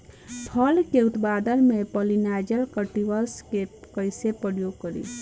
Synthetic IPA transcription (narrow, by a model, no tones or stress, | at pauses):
pʰəlkeut̪bad̪ənmepɔlinad͡ʒəlkəʈiʋəskekəjsepəɾjoɡ̚kəɾḭ